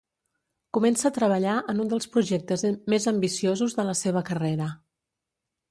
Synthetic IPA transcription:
kumɛnsəːt̪ɾəβ̞əʎaʔənund̪əlˠspɾuʒɛk̚t̪əzmezəmbisiozuzðələseβ̞əkəreɾə

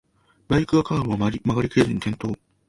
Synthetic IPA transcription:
baikɯ̟akaːɾoβamaɾʲimaɡaɾʲikɯezɨɲ̟it̪ʰẽ̞nt̪o̞ː

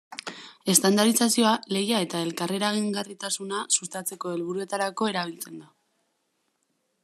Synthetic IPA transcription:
e̞st̪and̪aɾisasio̞ale̞jae̞t̪ae̞lkare̞ɾaɣ̞iŋɡarit̪asunasust̪at͡se̞ko̞e̞lβ̞uɾue̞t̪aɾako̞e̞ɾaβ̞ilt͡se̞nd̪a

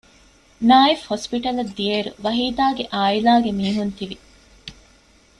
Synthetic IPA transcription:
naːifhospiʈɐlɐd̪ːieɾuʋɐɦiːd̪aːɡeʔaːilaːɡemiːɦunt̪iʋi

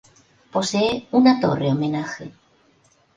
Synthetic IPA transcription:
po̞seeunat̪o̞̰reomẽ̞naxe

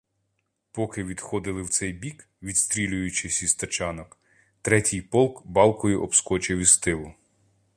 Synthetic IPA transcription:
pɔkɪʋʲid̪xɔd̪ɪlˠɪwt̪sɛjbʲik | ʋʲid̪st̪ʲɾʲilʲʊjʊt͡ʃɪsʲist̪ɐt͡ʃɑnɔk | t̪ɾɛtʲɪjpɔlˠkbɑlˠkɔjʊʔɔbskɔt͡ʃɪwʲist̪ɪlˠʊ

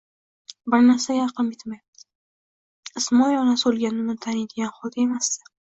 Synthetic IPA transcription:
bɪɾnaɾsajɑɾqɨmbɪt̪majap̚t̪ʰɪ | ɪsmɒjɒnasolˠɡʲanɪmnɪt̪ʰanɪd̪ɪɡʲanχɒt̪e̞masɪ

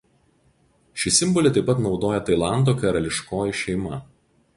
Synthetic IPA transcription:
ʃʲɪsʲɪmbɔlʲɪt̪ɐɪpɐt̪nɒʊd̪oːjɛt̪ɐɪlˠɑˑnd̪oːkɐɾɐlʲɪʃkoːjɪʃʲɛɪmɐ

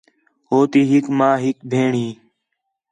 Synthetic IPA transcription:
ɦoːt̪iːɦɪkmãːɦɪkbʱeːɳĩː

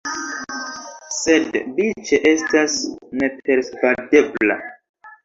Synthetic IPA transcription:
se̞dbit͡ʃeʔe̞stasne̞peɾsvadebla̰

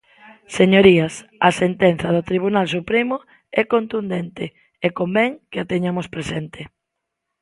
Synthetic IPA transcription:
seɲoɾiasɐsent̪ɛn̟θɐðʊt̪ɾiβ̞unalsupɾemʊ | ɛkont̪und̪ent̪ɪ | ekombɛŋkeat̪eɲamʊspɾesent̪ɪ

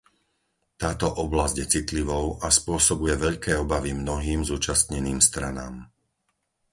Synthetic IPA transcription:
t̪aːt̪ɔʔɔblazɟjɛt͡sit̪liʋɔʊʔaspʊɔsɔbujɛʋɛʎkɛːɔbaʋimnɔɦiːmzuːt͡ʃast̪ɲɛniːmst̪ɾana̰ːm

